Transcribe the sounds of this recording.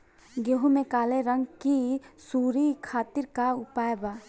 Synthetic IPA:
ɡoɦumẽkaːleɾə̃ŋɡkisuːɾikʰaːt̪ɪɾkaʊpaːjbaː

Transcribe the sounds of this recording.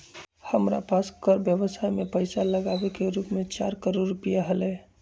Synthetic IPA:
həmɾa̰paskəɾbjəʋəsajmẽpəɪsaləɡaʋekeɾuːpmẽt͡ʃa̰ːɾkəɾoɾɾːʊpijaɦəle

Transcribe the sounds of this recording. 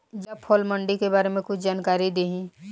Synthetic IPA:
jɐpʰɔːlməɳɖikebaːɾemẽkʊt͡ʃʰd͡ʒaːnkaːɾid̪eːɦĩ

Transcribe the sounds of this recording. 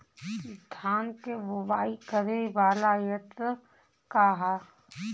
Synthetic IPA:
ɪst̪ʰaːnkebʊbaːikəɾeʋaːlajət̪ɾə | kaɦa

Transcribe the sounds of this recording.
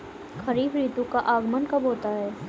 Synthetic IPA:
xɐɾiːbɾiːt̪ũkaʔaːɡmənkɐbɦoːt̪aɦɛː

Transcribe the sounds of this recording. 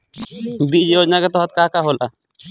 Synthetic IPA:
bid͡ʒjod͡ʒnaket̪ɔɦət̪kakaɦolʔa̰

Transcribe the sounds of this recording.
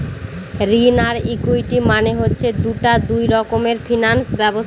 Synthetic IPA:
ɾinaɾikujʈimaneɦotːɕʰed̪uʈad̪ujɾɔkomeɾfʰinansbɛbos

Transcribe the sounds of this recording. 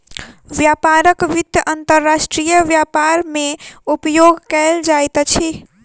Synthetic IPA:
ʋjapaɾəkʋid̪jəʔənt̪əɾːasʈɾijəʋjapaɾmeupjoɡʱkəld͡ʒajt̪t͡ʃʰi

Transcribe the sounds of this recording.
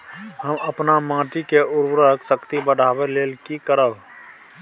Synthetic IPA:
ɦəməpnamãːʈikeʊɾbɾəksəkt̪ibəɽ̤ʱaːweleːlkikəɾəʋ

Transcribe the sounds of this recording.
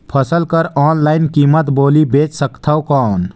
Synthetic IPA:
pʰəsəlkəɾɔːnlaɪnkimət̪boːlibeːt͡ʃsəkt̪ʰawkɔːn

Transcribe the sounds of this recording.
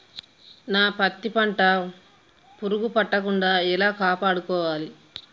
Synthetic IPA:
naːpɐt̪ːipɐɳʈɐ | puɾuɡupɐʈːɐkuɳɖaːilaːkaːpaːɽukɔːʋaːli

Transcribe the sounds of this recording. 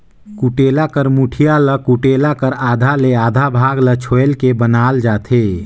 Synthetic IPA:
kuʈeːlakəɾmuʈʰijaləkuʈeːlakəɾaːd̪ʱaleaːd̪ʱabʱaːɡlət͡ʃʰoːelkebənaːld͡ʒaːt̪ʰeː

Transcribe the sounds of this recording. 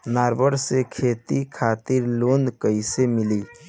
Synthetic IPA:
naːɾbəɾsekʰeːt̪ikʰaːt̪ɪɾloːnd̪kəɪsemɪliː

